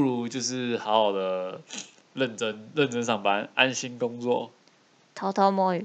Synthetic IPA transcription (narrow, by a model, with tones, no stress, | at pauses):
u˥˨lu˧˦t͡ɕjo˥˧ʊʂɻ̩˥˩hɑ˧˦ʊxɑ˨˩ʊd̪ə˩ | ɻə˥˨nʈ͡ʂə˦˥nɻə˥˨nʈ͡ʂə˥˦nʂɑ˥˩ŋpa˦na˦nɕi˦˥nkʊ˦ŋt͡swɔ˥˨ | t̪ʰa˨˥ʊt̪ʰɑ˥ʊma˥˩y˨